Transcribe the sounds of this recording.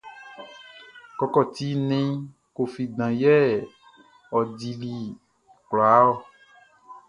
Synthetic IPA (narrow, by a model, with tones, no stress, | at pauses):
kɔ˧kɔ˦˨t̪i˨˦nẽ˦ | ko˨fi˨dã˨jɛ˦ | ɔ˨di˨li˦ | kla˨˦ɔ˦˨